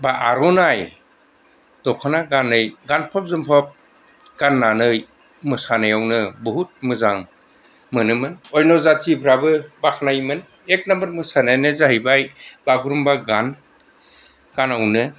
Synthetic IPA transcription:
baʔaɾɔnaj | dɔkʰanaɡanɯjɡanpʰɔp̚zɯmpʰɔp̚ | ɡ̥anːanɯj | mɯsanajawnɯbɯɦut̚mɯzaŋ | mɯnɯmɯnɔjnɔzatʰibʱɾabɯbakʰnajmɯn | ek̚nambɐɾmɯsanajnɯzaɦibajbaɡɾumbaɡan | ɡ̥anawnɯ

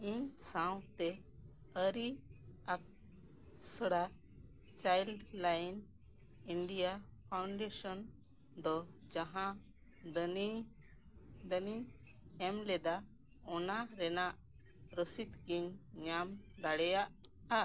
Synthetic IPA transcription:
iɲsãw̃t̪ɛ | əɾiak̚ | səɽa | t͡ʃajlɖlajn | iɳɖijapʰawɳɖɛsɔn | d̪ɔd͡ʒaɦã | d̪ni | d̪əni | ɛmlɛd̪a | ɔnaɾɛnaʔ | ɾəsit̪ɡiɲɲamd̪aɽɛjaʔ | a

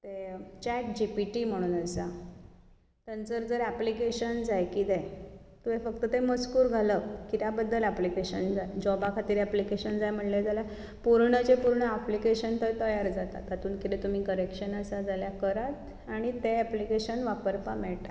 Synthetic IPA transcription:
t̪et͡ɕɛk̚d͡ʑipiʈim̤əɽ̃uːnasa | t̪ənd͡zəɾd͡zəɾæplikeɕənd͡zajkid̪et̪umefək̚t̪ət̪eməskuːɾɡʱaləkkːit̪jabəd̪ʱːəlæplikeɕənd͡zajd͡ʑɔbakʰat̪iːɾæplikeɕənd͡zajm̤əʈljed͡zalja | puɾɳət͡ɕepuɾɳəæplikeɕənt̪əjt̪əjaɾd͡zat̪a̰t̪at̪uːnkit̪et̪um̤iːkəɾekʂənəsad͡zaljakəɾat̪ | aɽ̃it̪eæplikeɕənʋapəɾpamɛɭʈa

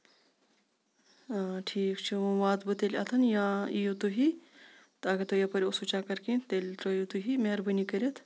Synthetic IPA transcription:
ʈʰiːkt͡ʃʰiũʋaːt̪bɨt̪elʲɐ̰t̪ʰɐnjãijut̪uɦi | t̪aːkit̪ojɐpɐɾʲosut͡ʃaːkɐɾkĩːnt̪elʲt̪ɾojut̪uɦimeɾbɨnikɐɾʲɐt̪ʰ

